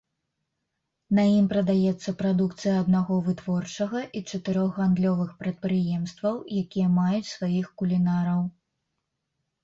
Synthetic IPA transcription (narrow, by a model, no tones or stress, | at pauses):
nɐjimpɾɐd̪ajɛt̪sːɐpɾad̪ukt̪sɨjɐːd̪naɣɔvɨt̪vɔrt͡ʂɐɣɐʔit͡ʂɐt̪ɨɾɔɣɣand̪lʲɔvɨxpɾɐt̪̚pɾɨjɛmst̪vɐwjakʲijɐmajut͡sʲsvajixkulʲinaɾɐw